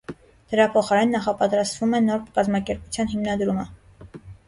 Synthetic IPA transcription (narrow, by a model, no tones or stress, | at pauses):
d̪̥əɾɑpʰɔχɑɾɛnːɑχɑpɑt̪ɾɑst̪vumɛnɔɾkɑzmɑkɛɾput͡sʰjɑnɦimnɑd̪ɾumə